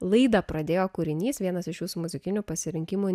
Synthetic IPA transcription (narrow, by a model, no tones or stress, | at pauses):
lˠɐɪd̪ɐpɾɐd̪ʲeːjoːkʊɾʲɪnʲiːsʋʲiɛnɐsɪʃjuːsumʊzʲɪkʲɪnʲupɐsʲɪɾʲɪŋʲkʲɪmu